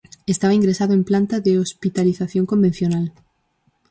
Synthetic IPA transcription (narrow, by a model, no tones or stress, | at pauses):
est̪aβaiŋɡɾesaðʊẽmplant̪aðeospit̪aliθaθjõŋkombẽn̟θjonal